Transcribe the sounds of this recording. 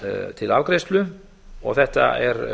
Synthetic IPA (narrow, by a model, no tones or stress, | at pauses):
t̪ʰɪlavkɾejst̪lʏ | ɔ̰ɣθɛht̪a̰ɛɾ